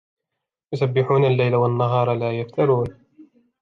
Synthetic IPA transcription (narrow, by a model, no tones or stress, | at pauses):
jʊsabːɪħuːnalːajlawanːaɦɑːɾˤɑlaːjaft̪ɑɾˤuːn